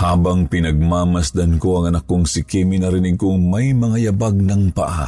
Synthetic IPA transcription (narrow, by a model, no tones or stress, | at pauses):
haːbɐŋpɪnɐɡ̚maːmɐsd̪ɐnko̞ɐŋɐnakːoŋsɪkimɪnɐɾɪnɪɡ̚koŋmɐjmɐŋajɐbaɡ̚nɐŋpɐ̰ʔa̰